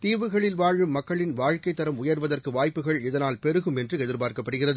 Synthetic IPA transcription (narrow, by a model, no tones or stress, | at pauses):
t̪iːʋɯɣɐɭɪlʋaːɻɯmmɐkːɐɭɪnʋaːɻkɐɪt̪ːɐɾɐmʊjɐɾʋɐðɐrkɯʋaːjpːɯɣɐɭɪðɐnaːlpɛɾɯɣɯmɛndrɯɛðɪɾpaːɾkɐpːɐɽɯɣɪrɐðɯ